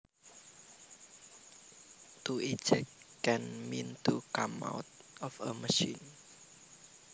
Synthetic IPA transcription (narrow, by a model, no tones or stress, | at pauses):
t̪uʔid͡ʒəkɛ̃nmĩnt̪ukama̰ʊt̪̚ɔfəməʃĩn